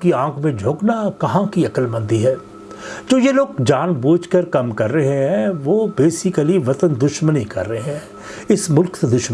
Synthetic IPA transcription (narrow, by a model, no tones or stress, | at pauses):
kiãːkʰmẽd͡ʒʱoːknakɐɦãkiɐkəlmɐ̃nd̪iɦɛː | d͡ʒoːjeloːɡd͡ʒaːnbuːd͡ʒkəɾkɐmkɐɾːɐɦeɦɛ̃ʋoːbeːsɪkəliʋɐt̪ənd̪ʊʃmənikɐ̰ɾːəɦɦɛ̃ː | ɪsmʊlksed̪ʊʃm